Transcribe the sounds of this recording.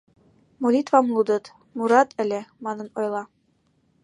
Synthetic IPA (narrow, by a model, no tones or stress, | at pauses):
molʲit̪vɑmlˠud̪ɤ̆t̪ | muɾɑt̪ɘ̆lʲemɑnɤ̆nojlˠɑ